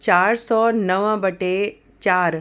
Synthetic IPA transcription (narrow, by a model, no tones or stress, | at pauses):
t͡ɕaːɾsɔːnəʋə̃bəʈe | t͡ʃaːɾ